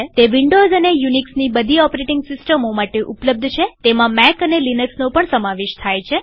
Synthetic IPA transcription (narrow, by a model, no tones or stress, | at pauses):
t̪eʋĩɳɖozənejuniksnibəd̪ʱiɔpɾeʈɪ̃ŋɡsɪsʈəmomaʈeʔupləb̚d̪ʱt͡ʃʰet̪emãmɛkənelinəksnõpəɳsəmaʋeʃt̪ʰajt͡ʃʰe